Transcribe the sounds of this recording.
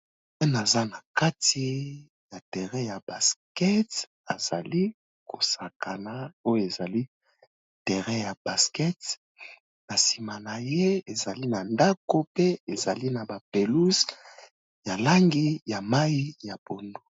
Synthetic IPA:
pɛ˦na˨za˦na˨ka˦ti˦ | ja˨tɛ˨ʁɛ˦ja˨ba˨skɛ˦t | a˨z̥a̰˨li˦ | kʰo˨sa˨ka˨na˨o˦jo˦˨e˨za˨li˦ | tɛ˨ʁɛ˦ja˨b̥a˨skɛ˦t | na˨si˨ma˨na˨je˦e˨za˨li˦na˨nda˦ko˦pe˦e˨za˨li˦na˨ba˨pe˨lu˦s | ja˨la˦ŋɡi˦ja˨ma˦i˦ja˨bo˨ndo˦

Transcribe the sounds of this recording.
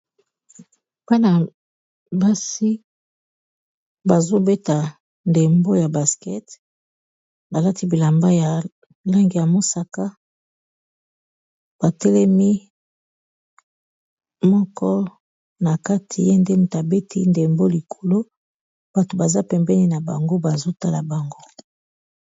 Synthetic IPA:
pa˦na˨ | ba˦si˦ | ba˨zo˦be˦ta˨ | nde˨mbo˦ja˨ba˨skɛ˦t | ba˨la˦tʰi˦bi˨la˨mba˦ja˨ | la˦ŋɡi˨ja˨mo˦sa˨ka˦ | b̥a˨tɛ˦lɛ˦mi˦ | mɔ˦kɔ˦ | na˨ka˦tʰi˨je˦nde˦m˨ta˨be˦tʰi˦nde˨mbo˦li˨kʰo̥˨lo˦ | b̥a˨to˨ba˨za˦pɛ˨mbɛ˦ni˦na˨ba˨ŋɡo˦ba˨zo˦ta˦la˨ba˨ŋɡo˦

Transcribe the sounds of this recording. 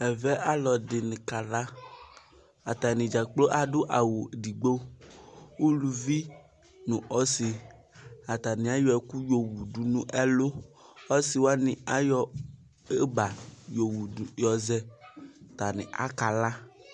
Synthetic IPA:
ɛ˨vɛ˦ʔa˦lɔ˨dɪ˨nɪ̃˨ka˨la˦ | a˨t̪a˨nɪ̃˨d͡ʒa˨k͡plo˦ʔa˨dʊ˦ʔa˨wo˨di˨ɡ͡bo˦ | wu˦lu˨vi˦ | nũ˨ʔɔ˦sɪ˨ | a˨t̪a˨nɪ̃˨a˦jɔ˦ɛ˨ku˦jo˨wu˨du˨nũ˦ʔɛ˦lo˦ɔ˦si˨wo˦a˦nɪ̃˨a˦jɔ˦ | e˦ba˨jo˨wu˨u˨jɔ˨zɛ˦t̪a˨nɪ̰̃˨ʔa̰˦ka˨la˦

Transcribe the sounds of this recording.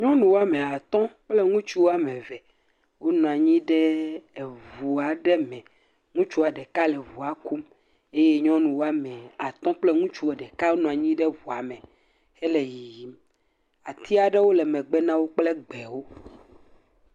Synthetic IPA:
ɲɔ̃˦nũ˨wo˦a˦mɛ̃˨a˨t̪ɔ̃˦k͡plɛ˦ŋũ˦t͡ʃu˦wo˦a˦mɛ̃˨vɛ˨ | wo˦nɔ̃˨a˨ɲĩ˦ɖɛ˦˨ | vu˨a˨ɖɛ˦mɛ̃˨ | ŋũ˦t͡ʃu˦a˨ɖɛ˨ka˦lɛ˨vu˨a˨ku˦m | e˦je˦ɲɔ̃˦nũ˨wo˦a˦mɛ̃˨a˨t̪ɔ̃˦k͡plɛ˦ŋũ˦t͡ʃu˦wo˨ɖɛ˨ka˦wo˦nɔ̃˨a˨ɲĩ˦ɖɛ˦vu˨a˨mɛ̃˨ | hɛ˦lɛ˨ji˨i˨m | a˨t̪ʰi˦a˨ɖɛ˦wo˦lɛ˨mɛ̃˨ɡ͡bɛ˦nã˦wo˦k͡plɛ˦ɡ͡bɛ˨wo˦

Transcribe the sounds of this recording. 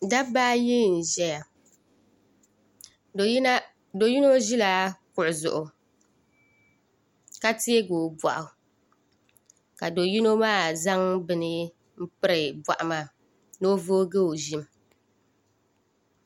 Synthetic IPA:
da˦baː˦jɪ˦n̩˨ʒɛ˦ja˨˦ | do˨ji˦no˦ʒi˦la˦kʊ˨ʔʊ˨zʊ̰˨ʔʊ˨ | ka˦ti˦e˦ɡoː˨ba̰˨ʔʊ˨ | ka˨do˨ji˦no˦maː˦˨za˦ŋbɨ˨nɪ˦ | m̩˦pɨ˦ɾɨ˨bwa̰˨ʔa˨maː˦˨ | no˦vo˦ɡe˦o˨ʒɪ˦m˦

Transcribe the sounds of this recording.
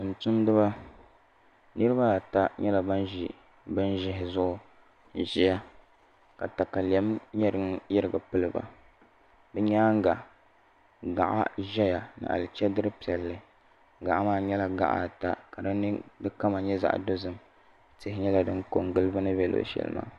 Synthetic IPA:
tʊ˨n˨tʊ˦ndɨ˦ba˦ | nɨ˦ɾɨ˦ba˦˨ta˦ɲɛ˦la˨ba˦nʒi˨ | bɨ˦n˦ʒɪ˦ɦɪ˨zʊ˦ʔʊ˦ | ʒi˦ja˦ | ka˨ta˨ka˨li˨ɛ˨˦mɲɛ˦ɾɨ˦ŋjɪ˦ɾɨ˦ɡa˨pɨ˦lɨ˦ba̰˨ | bɨ˦ɲaː˦ŋ˦ɡa˨ʔ | ɡa˨ʔa̰˦ʒɛ˦ja˨nɨ̰˨ʔa̰˨lɨ˨t͡ʃɛ˦dɨ˦ɾɨ˦pi˨ɛ˨lːɨ˨˦ | ɡa˨ʔa˦maː˦˨ɲɛ˦la˦ɡa̰˨ʔa̰˨ta˦ka˨dɨ˦nɨ˦dɨ˦ka˦ma˨ɲɛ˦za̰˨ʔdo˦zɨ˨m | tɪ˦hɪ˦ɲɛ˦la˨dɨ˦nko˨ŋɡɨ˦lɨ˦ba˦nɨ˦bɛ˦lo̰˨ʃɛ̰˨lɨ̰˦ma̰ː˦

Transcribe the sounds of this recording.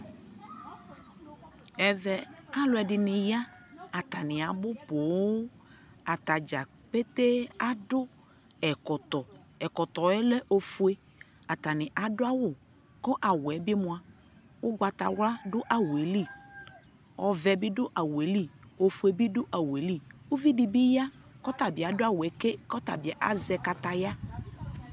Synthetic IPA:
ɛ˨vɛ˨a˦lʊ˨˦ɛ˨dɪ˨nɪ̃˨ja˦a˨t̪a˨nɪ̃˨a˨bʊ˦po˨˦ | a˨t̪a˨d͡ʒa˨ | pe˦t̪e˦a˦dʊ˦ | ɛ˨kɔ˨t̪ɔ˨ | ɛ˨kɔ˨t̪ɔ˨ɛ˦lɛ˦ʔo˨fu˦e˦ | a˨t̪a˨nɪ̃˨ʔa˨dʊ˦a˦wʊ˦˨ | kɔ˦ʔa˨wɛ˨bɪ˦mʊ̃˦a˦ | wʊ˦ɡ͡ba˨t̪a˨wla˦dʊ˦ʔa˨we˨li˦˨ | ɔ˨vɛ˨bɪ˦dʊ˦ʔa˨we˨˦li˦˨o˨fu˨˦e˨bi˦dʊ˦ʔa˨we˨li˦˨u˦vi˦di˨bi˦ja˦kɔ˦t̪a˨bɪ˨a˨dʊ˦a˨wɛ˨ke˦kɔ˦t̪a̰˨bɪ˨ɛ˨ʔa̰˦zɛ˨ka˨t̪a˨ja˦

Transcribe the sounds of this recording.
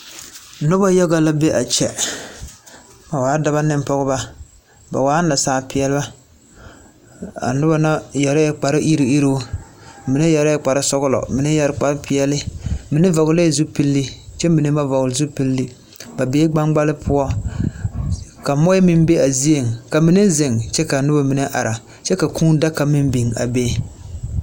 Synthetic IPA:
nʊ˦ba˦jɛ˦ɡa˨la˦be˦ʔa˨t͡ʃɛ˨ | ba˨waː˨˦da˦ba˦nɪ˦m˦pɔ˦ɣʊ˦ba˦ | ba̰˨waː˨˦na˨saː˦pɪ˨ɛ˦lɪ˦ba˦ | a̰˨nʊ˦ba˦na˦jɛ˨ɾa˦jɛ˦k͡pa˨ɾɪ˦ʔi˦ɾi˨i˦ɾo˦mi˨nɪ˦jɛ˨ɾa˦jɛ˦k͡pa˨ɾɪ˦sɔ˦ɣʊ˦lɔ̰˨mi˨nɪ˦jɛ˦ɾk͡pa˦ɾpɪ˨˦ɛ˦lɪ˦mi˨nɨ˦vɔ˨ɣʊ˨˦le˦˨zu˦pi˦lːi˦t͡ʃɛ˦mmi˨nɨ˦ma˦vɔ˨ɣlzu˦pi˦lːi˦ | ba˨beː˦ɡ͡ba˦ŋɡ͡ba˦lɪ˦pʰʊ˦ɔ˦ | ka˨mɔ˦jmɪ˦m˦be˦a˨zi˦je˨ŋka˨mi˨˦ne˦zɪ˨ŋt͡ʃɛ˦ka˨nʊ˦ba˨mi˨nɨ˦ʔa̰˨ɾa˨ | t͡ʃɛ˦ka˨kʰuː˦n˦da˦ka˨mɪ˦m˦bi˨ŋa̰˨beː˦

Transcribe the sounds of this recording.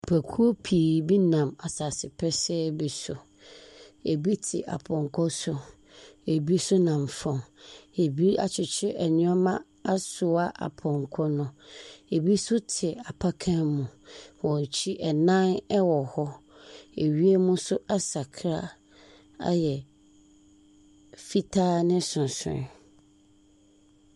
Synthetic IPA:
pʰæ˨kʰu˦o˦pʰi˨bi˦nã˨ma˨saː˨sɪ˨pʰɛ˦sɛ˦bi˨sʊ˨ | e˨bi˦tʰɪ̰˨ʔa̰˨pʰɔ̃˨ŋ˨kʰɔ˦sʊ˦ | e˨bi˦sʊ˦nã˨m˨fɔ̃˨ŋe˨bi˦a̰˨t͡ɕʰɪ˨t͡ɕʰɪ˦ʔɛ˨ɲɪ̃˦ɔ˦mã˦ | a˦sʊ˨a˦ʔa̰˨pʰɔ̃˨ŋkʰɔ˦nʊ̃˦e˨bi˦sʊ˦tʰɪ˨a˨pʰa˦kʰã˦mũ˨wɔ̃˨t͡ɕʰi˦ʔɛ˨nã˦nɛ˦wɔ˨hɔ˦ | e˨ɥi˦e˦mũ˦sʊ˦ʔa˦sa˨kʰɾa˦ | a̰˦jɛ˨ | fi˦tʰaː˦nɪ̃˦sʊ̃˨sʊ̰̃˨

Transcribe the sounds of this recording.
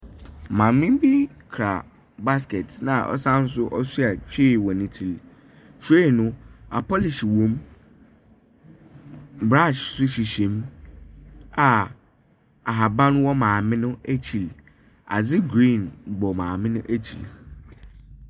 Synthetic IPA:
mã˨mmɪ̃˦m˦bɪ˦kʰɾa̰˨ | ba˦s̬kɛ˨tnã˨ʔɔ̰˦sã˦n̩˦s̬ʊ˦ʔɔ˦su˦a˨t͡ɕᶣʰɪ˦˨wɔ˨nĩ˦tʰi˨l | ɕᶣe˦˨nʊ̃˦a̰˨pʰɔ˦lɪ˨ɕi˨wõ˦m | bɾã˦˨ʃsʊ˦ɕi˨ɕĩ˨˦m | a˨ | a˨ɦa˨bã˦n˦wɔ˦mãː˨mɪ̃˦nʊ̃˦æ˦t͡ɕʰi˨l | a̰˨d͡zɪ˦ɡɾĩ˦˨nbɔ˨mãː˨mɪ̃˦nʊ̃˦ʔæ˦t͡ɕʰḭ˨l

